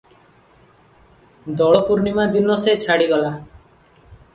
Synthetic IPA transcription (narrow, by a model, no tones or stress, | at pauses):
d̪ɔɭɔpuɾnimad̪inɔset͡ʃʰaɽiɡɔla